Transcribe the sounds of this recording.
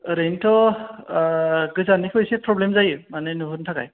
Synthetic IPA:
ɾentʰɔ | kɯzanikʰojsɛpʰɹɔblemzajɯmanɛnuɦuntʰaka̰j

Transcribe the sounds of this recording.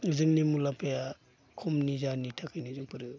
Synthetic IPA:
zɯŋnimulapʰeja | kʰɔmnizanitʰakʰajnizɯŋpɯɾɯ

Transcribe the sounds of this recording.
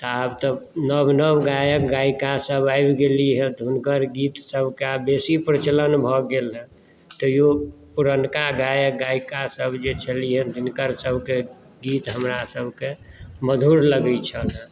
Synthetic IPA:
t̪ɔabt̪ɔnəbnəbɡajək̚ɡaikasəbajbɡeliɦɛ̃d̪ʱunkəɾɡit̪səbʱkeabesipɾət͡ʃələnbʱɔɡelɦɛ̃ | t̪ɔjo | puɾənkaɡajək̚ɡaikasəbd͡ʒet͡ʃʰəliɦɛ̃d̪ʱunkəɾsəbʱke | ɡit̪ɦəmɾasəbʱkeməd̪ʱuɾləɡət͡ʃʰənə

